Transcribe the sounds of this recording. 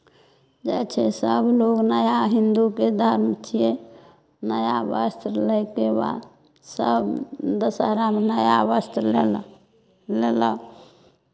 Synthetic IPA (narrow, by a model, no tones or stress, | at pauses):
d͡ʒɛt͡ʃʰɛsəbloɡnəjaɦind̪uked̪ʱəɾmət͡ʃʰie | nəjabəst̪ʰləkeba̰d̪ | səbd̪əsaɾamenəja̰bəst̪ʰlel | lelə